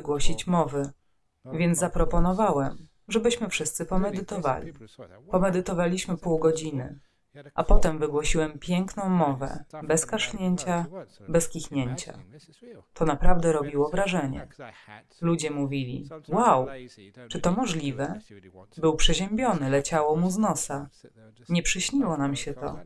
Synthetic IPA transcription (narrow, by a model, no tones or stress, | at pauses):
ɡwɔɕit͡ɕmɔvɘ | vʲjɛnzapɾɔpɔnɔvawɛm | ʐɛbɘɕmɘfʂɘst̪sɘpɔmɛd̪ɘt̪ɔva̰lʲipɔmɛd̪ɘt̪ɔvalʲiɕmɘpuwɡɔd͡ʑinɘ̰ | ʔapɔt̪ɛmvɘɡwɔɕiwɛmpʲjɛŋknɔ̃w̃mːɔvɛ̰bɛskaʂɲeɲt͡ɕabɛskʲixɲeɲt͡ɕa̰ | t̪ɔnapɾavd̪ɛɾɔbʲiwɔvɾaʐɛɲɛ̰ | lud͡ʑɛmuvʲilʲḭwawt͡ʂɘt̪ɔmɔʐlʲivɛbɘwpʂɛʑɛmbʲjɔn̪ɘlɛt͡ɕawɔmuznɔsa | ɲɛpʂɘɕɲiwɔnamɕɛt̪ɔ̰